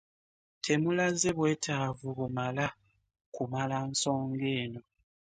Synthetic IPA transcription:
tʰemulazeβweːtʰavuβumala | kumalansoːŋɡeːno

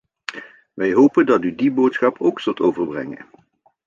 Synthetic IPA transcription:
ʋɛjɦowpəndɑtydibowtsχɑpʰowksɵlˠtowvəɹbrɛ̰ŋə̰n

